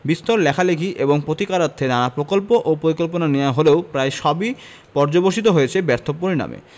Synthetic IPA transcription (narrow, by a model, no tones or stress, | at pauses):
bist̪oɾlɛkʰaleɡʱiʔeboŋpɾot̪ikaɾat̪ʰːenanapɾokolpoʔopɾoɾikolponaneaɦoleopɾaeʃɔbi | pɔɾd͡ʑoboʃit̪̬oɦojet͡ɕʰebɛɾt̪ʰopoɾina̰mḛ